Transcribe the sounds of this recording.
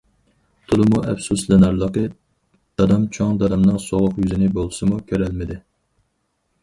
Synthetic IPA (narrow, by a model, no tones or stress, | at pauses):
t̪ʰulˠɨmuʔɛ̰fsuslɪnɑɾlˠəqə | d̪̥ɑd̪ɑmt͡ʃʰoŋd̪ɑd̪ɑmnɨŋsoʁʊqjyzɪnɪbolˠsɨmukʲʰøɾælmɪd̪ɪ